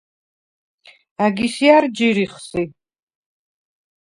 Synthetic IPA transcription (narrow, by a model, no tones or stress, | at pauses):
aɡisiaɾd͡ʒiɾiχsi